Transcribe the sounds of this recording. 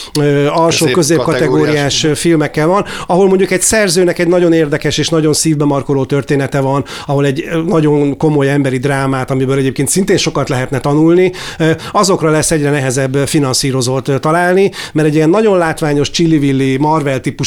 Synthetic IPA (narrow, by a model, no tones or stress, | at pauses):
øːɒlʃoːkøzeːkɒt̪ɛɡɡoːɾijaːʃfilmɛkːɛlvɒnɒɦo̞lmo̞ɲɟukɛɟsɛrzøːnɛkɛɟnɒɟo̞neːrd̪ɛkɛʃeːʃnɒɟo̞nsiːvbɛmɒrko̞loːt̪ørt̪eːnɛt̪ɛvɒn | ɒɦo̞lɛɟnɒɟo̞nko̞mo̞jɛmbɛɾid̪raːmaːt̪ɒmibøːlɛɟeːp̚keːnt̪sint̪eːnʃo̞kɒt̪lɛɦɛt̪nɛt̪ɒnulniɒzo̞krɒlɛsːɛɟrɛnɛɦɛzɛbːfinɒnsiːɾo̞zoːt̪t̪ɒlaːlnimɛɾɛɟijɛnːɒɟo̞nlaːt̪ʋaːɲo̞ʃt͡ʃilːivilːimɒrvɛlt̪ipu